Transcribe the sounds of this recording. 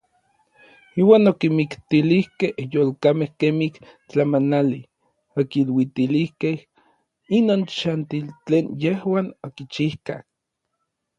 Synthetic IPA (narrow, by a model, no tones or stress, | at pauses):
iːwaːnokimikt̪ilihkehjolkamehkemih | t͡ɬamanali | okilwit̪ilihkeh | inoːnt͡ʃant̪ilt͡ɬeːnjehwaːnokit͡ʃihkah